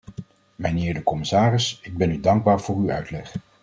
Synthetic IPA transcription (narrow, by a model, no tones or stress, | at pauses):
mənɪːɹdəkɔmɪsaːrɪsɪɡ̚bɛnydɑŋɡ̚baːɹv̥ʊːɹyœ̰ɥtlɛχ